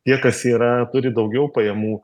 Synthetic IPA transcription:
t̪ʲiɛkɐsiːɾɐt̪ʊɾʲɪd̪ɒʊɡʲɛʊpɐjɛmuː

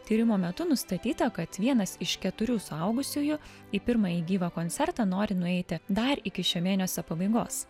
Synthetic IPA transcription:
t̪ʲiːɾʲɪmoːmʲɛt̪ʊnʊst̪ɐt̪ʲiːt̪ɐkɐt̪ʋʲiɛnɐsɪʃkʲɛt̪ʊɾʲuːsʊɐʊɡʊsʲuːjʊ | iːpʲɪɾmɑiːɡʲiːʋɐkoːnʲt̪sʲɛɾt̪ɐnoːɾʲɪnʊɛɪt̪ʲɪd̪ɐɾɪkʲɪʃʲomʲeːnʲosʲopɐbɐɪɡo̰ːs

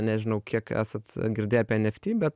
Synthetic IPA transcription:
nʲæʒʲɪnɐʊkʰʲiɛkæ̰ːsɐt̪ɡʲɪɾʲd̪ʲeːjɛpʲɛɛnʲɛfʲt̪ʲiːbʲɛt̪

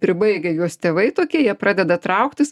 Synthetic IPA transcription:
pʲɾʲɪbɐɪɡʲɐjuɔst̪ʲeːʋɐɪt̪oːkʲiɛjiɛpɾɑːd̪ʲɛd̪ɐt̪ɾɐʊkt̪ʲɪs

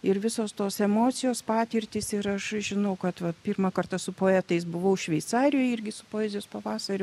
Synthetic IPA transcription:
ɪɾʋʲɪsoːst̪oːsɛmoːt̪sʲɪjoːspɑːt̪ʲɪrʲt̪ʲɪsɪɾɐʃʒʲɪnɐʊkɐt̪ʋɐtpʲiːrmɑːkɐrt̪ɐsʊpoːɛːt̪ɐɪsbʊʋɐʊʃʲʋʲɛɪt̪sɑːɾʲɪjoːjɪrʲɡʲɪsʊpoːɛːzʲɪjoːspɐʋɑːsɐɾʲʊ

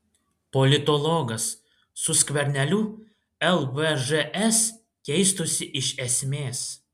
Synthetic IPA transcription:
pɔlʲɪt̪ɔlˠɔɡɐsː | ʊsʲkʋʲɛɾʲnʲɛlʲu | ɛlˠʋɛʒɛʔɛs | kʲɛɪst̪ʊsʲɪʔɪʃɛsʲmʲeːs

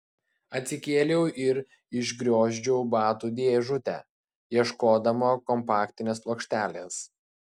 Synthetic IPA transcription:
ɐt̪ʲsʲɪkʲeːlʲɛʊʔɪɾ | ɪʒɡɾʲoːʒʲd͡ʒʲɛʊbɑːt̪uːd̪ʲeːʒʊt̪ʲɛ̰ | jiɛʃkoːd̪ɐmoːkɔmpɑːkt̪ʲɪnʲeːsplˠoːkʃʲt̪ʲæːlʲeːs

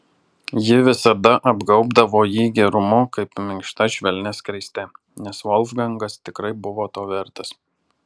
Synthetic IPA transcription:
jɪʋʲɪsɐd̪ɐʔɐbɡɒʊbd̪ɐʋoːjiːɡʲɛɾʊmʊkɐɪpmʲɪŋkʃt̪ɐʃʲʋʲɛlʲnʲeskɾʲɐɪsʲt̪ʲɛ | nʲɛsʋɔlʲˠfɡɐŋɡɐst̪ʲɪkɾɐɪbʊʋoːt̪oːʋʲɛɾt̪ɐs

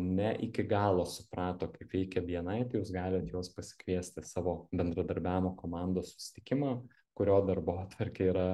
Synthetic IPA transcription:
nʲɛʔɪkʲɪɡɑːlˠoːsʊ̥pɾɑːt̪oːkɐɪpʋʲɛɪkʲɛʋʲiɛnɐɪt̪ɐɪjuːsɡɑːlʲɪt̪joːspɐsʲɪ̥kʋʲiɛsʲt̪ʲɪsɑːʋoːbʲɛnd̪ɾɐd̪ɐɾʲbʲæːʋʲɪmoːkoːmɑːˑnd̪oːssʊ̥sʲɪ̥t̪ʲɪkʲɪmɑ | kʊɾʲoːd̪ɐɾboːt̪ʋɐɾʲkʲeːiːɾɐ

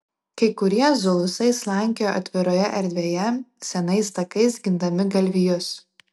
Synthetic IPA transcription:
kɐɪkʊɾʲiɛzʊlˠʊsɐɪslˠɑˑŋʲkʲɪjoːʔɐ̰t̪ʲʋʲɪɾoːjɛʔɛɾʲd̪ʲʋʲeːjɛsʲɛnɐɪst̪ɐkɐɪsɡʲɪnd̪ɐmʲɪɡɐlʲʋʲijʊs

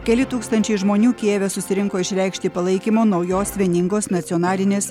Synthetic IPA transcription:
kʲɛlʲɪt̪uːkst̪ɐnʲt͡ʃʲɛɪʒmoːnʲuːkʲeːʋʲɛsʊsʲɪɾʲɪŋkoːɪʃʲɾʲɛɪkʃʲt̪ʲɪpɐlˠɐɪkʲimoːnɐʊjoːsʲʋʲiɛnʲɪŋɡoːsnɐt̪sʲɪɔnɑːlʲɪnʲeːs

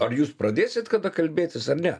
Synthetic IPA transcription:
ɐɾjuːspɾɐd̪ʲeːsʲɪt̪kɐd̪ɐkɐlʲbʲeːt̪ʲɪsɐrnʲɛ

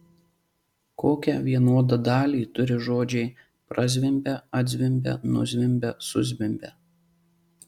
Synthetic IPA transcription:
koːkʲɛʋʲiɛnuɔd̪ɐd̪ɑːlʲiːt̪ʊɾʲɪʒoːd͡ʒʲɛɪ | pɾɐzʲʋʲɪmʲbʲɛɐd̪ʲzʲʋʲɪmʲbʲɛ̰nʊ̰zʲʋʲɪmʲbʲɛsʊzʲʋʲɪmʲbʲɛ

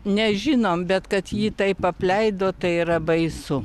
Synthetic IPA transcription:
nʲɛʒʲɪnoːmbʲɛt̪kɐt̪jiːt̪ɐɪpɐpʲlʲɛɪd̪oːt̪ɐɪiɾɐbɐɪsʊ

